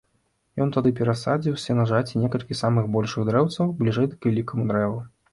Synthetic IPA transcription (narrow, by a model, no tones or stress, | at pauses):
jɔnt̪ad̪ɨpʲɛɾasad͡zʲiwsʲɐnaʐat͡sʲinʲɛkɐlʲkʲisamɨɣbɔlʲʂɨɣd̪ɾɛwt̪sɐwblʲiʐɛjd̪ɐkvʲɛlʲikɐmud̪ɾɛvu